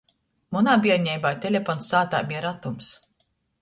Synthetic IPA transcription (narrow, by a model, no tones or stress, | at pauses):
munaːbiɛɾɲʲɛjbajt̪elʲefɔnsaːt̪a̰ːmʲiɛɾat̪ums